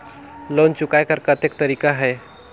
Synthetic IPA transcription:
lont͡ʃʊkajkəɾkət̪ekt̪əɾikaɦɛj

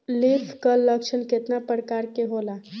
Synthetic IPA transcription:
lipʰkəlːəkt͡ʃʰənket̪napəɾkaɾkeɦola

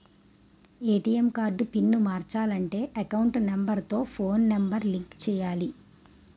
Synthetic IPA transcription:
eːʈiːemkaːɾɖupinːumaːɾt͡ʃaːlɐɳʈe̞ːʔɐkɐwuɳʈnɐmbɐɾt̪o̞ːpʰo̞ːnːembɐɾliŋkt͡ʃɛːjaːli

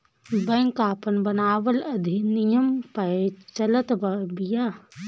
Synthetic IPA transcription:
bɐ̃ŋkaːpənbɐnaːʋəlɐd̪ʱinijəmpɐet͡ʃɐlət̪bɐbijaː

